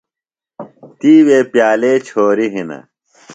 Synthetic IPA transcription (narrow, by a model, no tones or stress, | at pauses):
t̪iːweːpjaːleːt͡ɕʰoːɾiɦinɐ̰